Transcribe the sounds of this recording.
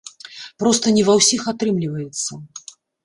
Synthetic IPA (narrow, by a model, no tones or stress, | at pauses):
pɾɔst̪ənʲivawsʲixat̪ɾɨmlʲivəjɪt̪sːɐ